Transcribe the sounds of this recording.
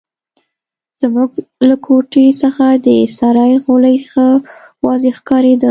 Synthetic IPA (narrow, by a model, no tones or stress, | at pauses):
z̥muɡlakʰoʈesəxad̪əsaɾɑjɣoləjxa | wɑzexkɑɾed̪ə